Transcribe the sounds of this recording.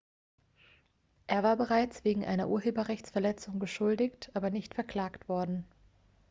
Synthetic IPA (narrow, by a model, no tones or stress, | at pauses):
ʔeːɐvaːɐbəʁaɪt͡sv̥eːɡŋ̩ʔa̰ɪnɐ̰ʔuːɐɦeːbɐʁɛçt͡sfɛɐlɛt͡sʊŋɡəʃʊldɪçtʰʔaːbɐnɪçtfɛɐkl̥aːktv̥ɔɐdn̩